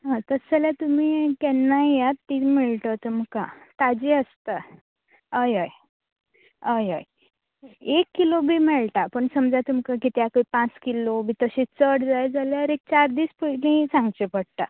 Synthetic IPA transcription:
ɦãt̪əsɛlat̪umiːkɛnːajat̪ːimiɭʈ̪ət̪umkat̪ad͡ʑiəst̪a | əjəj | əjəj | ekːilobʱiːmɛɭʈapəɳsəmd͡zat̪umkakit̪eakəipãt͡skilobʱiːt̪əɕet͡səɽd͡zajd͡zaleaɾek̚t͡ɕaɾd̪iːspəlĩsãŋɡt͡ɕepəɽt̪a

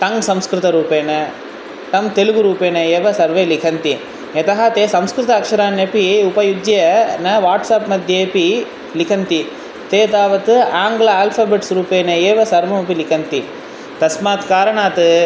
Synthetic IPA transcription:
t̪ɐŋɡsɐmskɾɨt̪ɐɾuːpeːnɐ | t̪ɐmt̪eluɣuɾuːpeːnɐeːʋɐsɐɾʋɐjlikʰɐnt̪i | jɐt̪ɐɦɐt̪eːsɐmskɾɪt̪ɐːkʂɐɾaːnɐpiʊpɐjud͡ʒjɐnɐʋaːʈsaːpmɐd̪ʱjepi | lɪkʰɐnt̪i | t̪eːt̪aːʋɐt̪ɯaːŋɡlɐaːlpʰaːbeːʈsɾuːpeːnɐeːʋɐsɐɾʋɐmɐpilikʰɐnt̪i | t̪ɐsmaːkkaːɾɐɳaːt̪ɯ

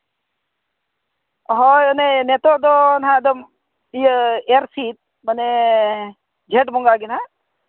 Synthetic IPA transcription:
ɦɔjɔnenet̪od̪onɦãd̪ɔm | ieɾsit̪̚ | məne | d͡ʒʱeːʈbɔŋɡaɡinɦa

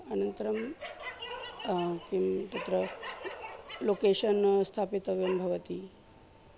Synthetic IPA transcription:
ɐnɐnt̪əɾɐm | kimt̪ɐt̪ɾə | lokeʃɐnst̪ʰapit̪ɐʋjɐmbʱɐʋɐt̪i

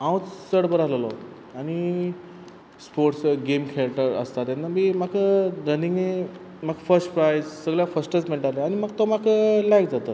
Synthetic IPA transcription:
ãwt͡ssəɽbəɾaləlɔ | aɽ̃i | spoɾʈsɡemkʰeɾk̚ʈəɾə̰st̪at̪janamimakʰəɾəniŋɡe | makfəsʈpɾajssəɡljafəsʈət͡smeɳʈaɾlaañiməɡt̪omakʰəlajk̚d͡zat̪ə

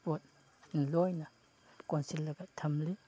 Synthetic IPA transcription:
pot̚ | n̩lɔjnɐ | konsilːɐɡɐtʰɐmli

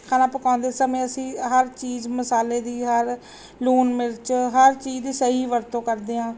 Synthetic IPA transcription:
kʰaːnãːpəkãːʊ̃nd̪eːsəmẽːəsĩːɦəɾt͡ʃiːzməsaːleːd̪iːɦəɾ | luːnmɪɾt͡ʃɦəɾt͡ʃiːd͡ʒd̪iːsəɦiːʋəɾt̪õːkəɾd̪eːãː

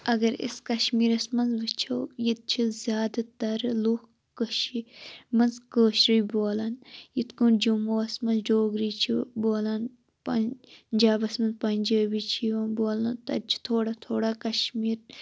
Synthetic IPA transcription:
ɐɡɐɾḭskɐʃmiːɾɐsmɐnzʋɨt͡ʃʰɐwjit̪̚t͡ʃʰizʲjaːd̪ɐt̪ɐɾloːk | kəʃimɐnzkəːʃɾijboːlɐnjit̪kund͡ʒumoːɐsmɐnzd͡ʒoːɡɾiːt͡ʃʰḭboːlɐn | pɐnd͡ʒaːbɐsmɐnzpɐnʲd͡ʒəːbit͡ʃʰiʋɐnboːlɐnt̪ɐ̰t͡ʃʰi̥t̪ʰoːɽat̪ʰoːɽaːkɐʃmiːɾ

